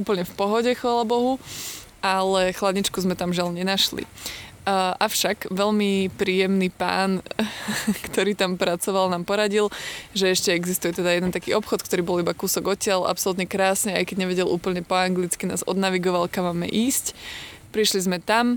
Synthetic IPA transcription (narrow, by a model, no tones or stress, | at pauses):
uːpl̩ɲɛfpɔɦɔɟɛxʋaːlabɔɦu | ʔalɛxlad̪ɲit͡ʃkuzmɛt̪amʒɪalɲɛnaʃlḭ | ʔafʃakʋɛʎmipɾiːjɛmniːpa̰ːn | kt̪ɔɾiːt̪ampɾat͡sɔʋalnaːmpɔɾaɟilʒɛɛʃcɛɛɡzist̪ujɛt̪ɛd̪ajɛd̪ɛnt̪akiːɔpxɔt̪kt̪ɔɾiːbɔlibakuːsɔɡɔcɪalʔa̰psɔlut̪ɲɛkɾaːsɲɛajkɛɟɲɛʋɛɟɛlʔṵːpl̩ɲɛpɔaŋɡlit͡skina̰ːzɔ̰d̪naʋiɡɔʋalkamːamːɛ̰ʔiːscpɾiʃlizmɛt̪am